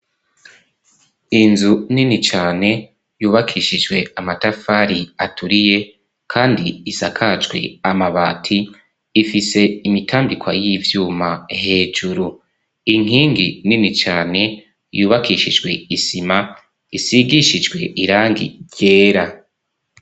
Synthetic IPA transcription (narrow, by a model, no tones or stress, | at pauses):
inzuninit͡ʃaːne̞ | juːβakʰiʃid͡ʒwe̞amatafaɾiatʰuɾije̞ | kʰaːndiːsakʰad͡ʒɡwe̞̰amaβaːtʰiː | fise̞imitʰaːmbikʰwajivjuːmaɦe̞ːd͡ʒuɾu | iŋ̥ɦiːŋɡḭninit͡ʃaːne̞ | juːβakʰiʃid͡ʒɡwe̞isima | isiɡiʃid͡ʒɡwe̞̰ʔiɾaːŋɡḭje̞ːɾa